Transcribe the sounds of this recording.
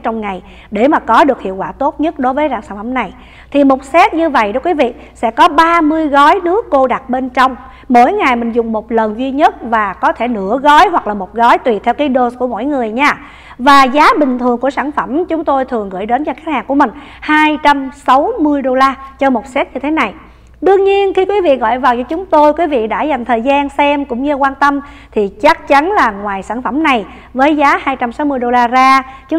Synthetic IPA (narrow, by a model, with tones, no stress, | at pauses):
t͡ɕɔ˧wŋ͡mŋa˨˩j | ɗe˧˩maː˨˩kɔ˨˦ɗɨ˨˩ək̚hḭ˧˨əwkwaː˧˩t̪o˦˥t̚ɲə˦˥t̚ɗo˨˦jvəː˨˦jɗaː˧˩wsaː˧˩nfə˧˩mna˨˩j | t̪ʰi˨˩mo˨˩t̚sɛ˦˥t̚ɲɨ˧və̰˧˨jɗɔ˨˦kwi˨˦vḭ˧˨ | sɛ̰˧˥kɔ˨˦ɓaː˧mɨ˧əjɣɔ˨˦jnɨ˦˥əkːo˧ɗa˨˩t̚ɓe˧nt͡ɕɔ˧wŋ͡m | mo̰˧˥˨jŋa˨˩jmï˨˩ŋ̟zʊ˨˩ŋ͡mmo˨˩t̚lə˨˩nzi˧ɲə˦˥t̚vaː˨˩kɔ˨˦t̪ʰe˧˩nɨ̰˧˩əɣɔ˨˦jɦwa˨˩k̚laː˨˩mo˨˩t̚ɣɔ˨˦jt̪wi˨˩t̚t̪ʰɛ˧wkaː˨˦jɗo˧sku˧˩əmo̰˧˥˨jŋɨ˨˩əjɲaː˧ | vaː˨˩zaː˨˦ɓï˨˩ŋ̟t̪ʰɨ˨˩əŋku˧˩əsaː˧˩nfə˧˩mt͡ɕʊ˨˦ŋ͡mt̪o˧jt̪ʰɨ˨˩əŋɣɨ̰˧˩˨jɗe˨˦nt͡ɕɔ˧xa˦˥t̚haː˨˩ŋku˧˩əmï˨˩ŋ̟ | haː˧jt͡ɕa˧msa˨˦wmɨ˧əjɗo˧laː˧t͡ɕɔ˧mo˨˩t̚sɛ˦˥t̚ɲɨ˧t̪ʰe˨˦na˨˩j | ɗɨ˧əŋɲi˧ənxi˧kwi˨˦vḭ˧˨ɣɔ̰˧˨jvaː˨˩wt͡ɕɔ˧t͡ɕʊ˨˦ŋ͡mt̪o˧jkwi˨˦vḭ˧˨ɗa̰ː˧˥za˨˩jŋ̟t̪ʰəː˨˩jzaː˧nsɛ˧mkʊ̰˧˥ŋ͡mɲɨ˧kwaː˧nt̪ə˧m | t̪ʰi˨˩t͡ɕa˦˥k̚t͡ɕa˨˦nlaː˨˩ŋwaː˨˩jsaː˧˩nfə˧˩mna˨˩j | vəː˨˦jzaː˨˦haː˧jt͡ɕa˧msa˨˦wmɨ˧əjɗo˧laː˧zaː˧t͡ɕ